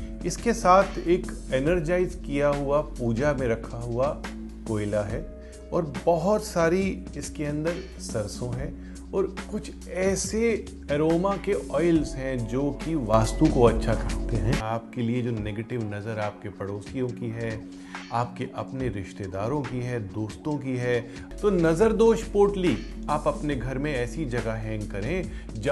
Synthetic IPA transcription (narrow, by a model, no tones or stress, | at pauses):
ɪskesaːt̪ʰeːkɛnəɾd͡ʒaːɪzkijaɦuapuːd͡ʒamẽɾɐkʰaɦua | koːɪlaɦɛ | ɔːɾbɐɦɔt̪saːɾi | ɪskeɐ̃nd̪əɾ | sɐɾsõɦɛ̃ | ɔːɾkʊt͡ʃʰ | ɛːse | ɛɾoːmakeʔɔːɪlzɦɛ̃d͡ʒoːkiʋaːst̪ũkoɐtːʃʰakɐɦt̪eɦɛ̃aːp̚kelied͡ʒoːneːɡeːʈɪʋnɐzəɾaːp̚kepɐɽoːsijõkiɦɛː | aːp̚keʔɐpneɾɪʃt̪ed̪aːɾõkiɦɛːd̪oːst̪õkiɦɛː | t̪onɐzəɾd̪oːʃpoːʈliaːpɐpneɡʱɐɾmẽɛːsid͡ʒɐɡaɦɛ̃ːŋɡkɐɾẽ | d͡ʒ